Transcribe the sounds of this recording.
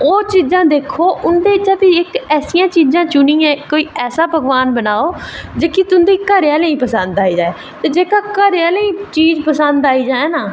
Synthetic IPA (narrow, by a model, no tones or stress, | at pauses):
oːt͡ʃiːzãːd̪eːkʰoːʊnd̪eːɪt͡ʃaːt̪iɪkɛːsijãːt͡ʃiːzãːt͡ʃʊniːjãːkoːiːɛːsaːbʱəɡʋaːnbənaːoːd͡ʒeːkiːt̪ʊnd̪iːkəɾjaːləĩːpəsənd̪aːiːd͡ʒaːeː | t̪eːd͡ʒeːkaːkəɾaːləiːt͡ʃiːd͡ʒpəsənd̪aːiːd͡ʒaːeːnaː